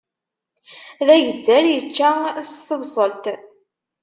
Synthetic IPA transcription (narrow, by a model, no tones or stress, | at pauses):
ðæʝəd͡zːæljət͡ʃːæst̪əvsˤəlt̪